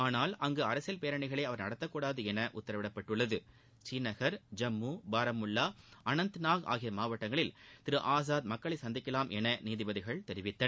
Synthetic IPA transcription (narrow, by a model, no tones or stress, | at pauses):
aːnaːlɐŋɡɯɐɾɐsjɐlpeːɾɐɳɪɣɐɭɐɪɐʋɐɾnɐɽɐt̪ːɐkːuːɽaːðɯɛnɐʔʊt̪ːɐɾɐʋɪɽɐpːɐʈːɯɭːɐðɯ | t͡ʃiːnɐɣɐɾd͡ʒɐmːuːbaːɾɐmʊɭːaːʔɐnɐnt̪ɯnaːɣa̰ːɣɪjɐmaːʋɐʈːɐŋɡɐɭɪlt̪ɪɾɯʔaːs̬aːd̪mɐkːɐɭɐɪsɐnd̪ɪkːɐlaːmʔɛnɐniːðɪbɐðɪɣɐɭt̪ɛɾɪʋɪt̪ːɐ